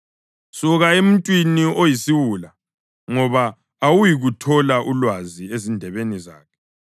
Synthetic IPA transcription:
suɣaem̩tʼwiniojisiwula | ŋɔβaː | wujiɣutʰɔlaʔulwaziezindʱɛβeniza̰ːkʰɛ̥

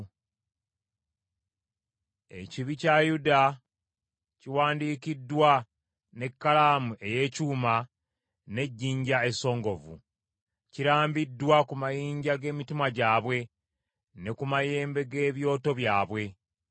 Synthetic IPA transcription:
e̞̰ciβicajuda | ciwaːndiːkidːwa | ne̞kːalaːmuʔe̞je̞cuːma | ne̞ɟːiːɲɟae̞so̞ːŋɡo̞vṵ | ciɾaːmbidːwakumajiːɲɟaɡe̞ːmitimaɟaːβwe̞ | ne̞kumaje̞ːmbe̞ɡe̞ːβjo̞ːto̞βjaːβwe̞

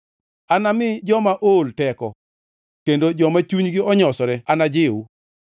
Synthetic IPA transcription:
anamɪd͡ʒɔmaʔoltɛkɔ | kendod͡ʒɔmat͡ʃuɲɡɪɔɲɔsɔɾɛanad͡ʒɪwu

